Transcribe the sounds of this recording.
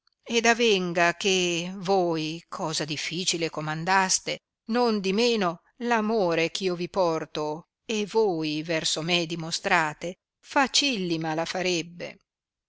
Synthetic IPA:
ed̪avɛŋɡak̟evojkʰɔːzad̪ifːiːt͡ʃilekomand̪ast̪e | nond̪imeːno | lamoːɾek̟ʰiːovipɔrt̪o | evojvɛrsomed̪imost̪ɾaːt̪e | fat͡ʃilːimalafaɾebːḛ

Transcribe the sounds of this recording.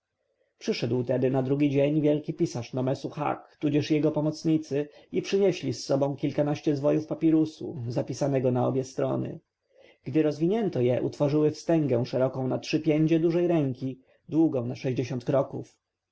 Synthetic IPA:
pʂɘʂɛd̪wt̪ɛd̪ɘnad̪ɾuɡʲid͡ʑeɲvʲjɛlkʲipʲisaʂnɔmɛsuxa̰kt̪ud͡ʑɛʂjɛɡɔpɔmɔt̪sɲit̪sɘipʂɘɲeɕlʲisːɔbɔ̃w̃kʲilkanaɕt͡ɕɛzvɔjufpapʲiɾusṵzapʲisanɛɡɔnaɔbʲjɛst̪ɾɔ̰nɘ̰ | ɡ̥d̪ɘɾɔzvʲiɲɛnt̪ɔjɛʔṵt̪fɔʐɘwɘfst̪ɛŋɡɛw̃ʂɛɾɔkɔ̃w̃natʂɘpʲjeɲd͡ʑɛd̪uʐɛjɾɛŋkʲi | d̪wuɡɔ̃w̃naʂɛʑd͡ʑeɕɔ̃nt̪̚kɾɔkṵf

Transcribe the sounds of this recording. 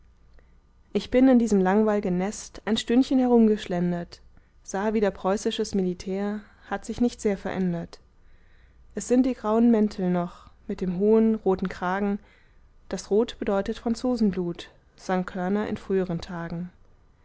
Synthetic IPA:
ʔɪçb̥ɪnɪndiːzəmlaŋvaɪlɡənːɛstaɪnʃtʏnçənhɛʁ̞ʊmɡəʃlɛndɐt | z̥aːviːdɐpʁ̥ɔʏsɪʃəsmilitʰɛːɐ | hatz̥ɪçnɪçtz̥eːɐfɛɐʔɛndɐt | ʔɛsz̥ɪnt̚d̥iːɡʁaʊənmɛntʰl̩nɔχmɪt̚d̥eːmɦoːənʁoːtn̩kʁ̥aːɡŋ̩ | d̥asʁoːtb̥ədɔʏtətfʁ̥ant͡soːzn̩bluːt | z̥aŋkʰœɐnɐʔɪ̰nfʁ̥yːəʁ̞əntʰaːɡŋ̩

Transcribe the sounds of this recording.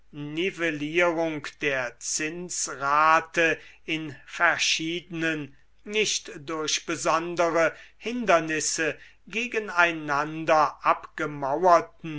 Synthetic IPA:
nɪvɛliːʁʊŋkd̥eːɐt͡sɪnsʁaːtə | ɪnfɛɐʃiːdənənː | ɪʃtdʊɐʃb̥əzɔndəʁəhɪndɐnɪsə | ɡeːɡənaɪnandɐʔapɡ̥əmawɐtn̩

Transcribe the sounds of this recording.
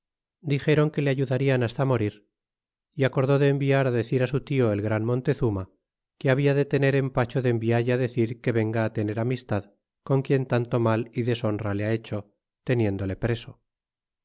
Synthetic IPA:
d̪ixe̞ɾo̞ŋke̞le̞aʝuðaɾianast̪amo̞ɾiɾ | iako̞ɾðo̞ðe̞ːmbiaɾaðe̞θiɾasut̪io̞e̞lɣɾanmõ̞nt̪e̞θuma | keaβ̞iaðe̞t̪e̞ne̞ɾe̞mpat͡ʃo̞ðembiaʝaðe̞θiɾke̞βe̞ŋɡaːt̪e̞ne̞ɾamist̪að | ko̞ŋkje̞nt̪ant̪o̞maliðe̞so̞nraleae̞t͡ʃo̞ | t̪e̞nje̞nd̪o̞le̞pɾe̞so̞

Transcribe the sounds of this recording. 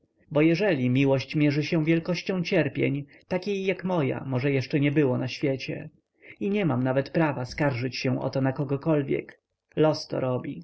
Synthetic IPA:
bɔjɛʐɛlʲimʲiwɔɕt͡ɕmʲjɛʐɘɕɛ̃vʲjɛlkɔɕt͡ɕɔ̃w̃t͡ɕɛɾpʲjɛɲ | t̪akʲejːakmɔja̰mɔʐɛjɛʂt͡ʂɛɲɛbɘwɔnaɕfʲjɛt͡ɕɛ̰ | iɲɛmamnavɛt̪pɾavaskaɾʐɘt͡ɕɕɛ̃ʔɔ̰t̪ɔnakɔɡɔkɔlvʲjɛ̰k | lɔst̪ɔ̰ɾɔbʲi

